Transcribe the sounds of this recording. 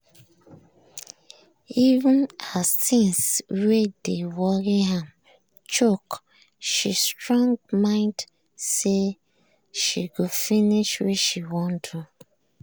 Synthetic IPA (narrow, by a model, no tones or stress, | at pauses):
iṽnhassĩnswedewɔɾiɦam | t͡ʃok | ʃistɹɔ̃ŋɡmãɪ̃nd | se | ʃiɡofiniʃwɛʃiwɔ̃ntʰu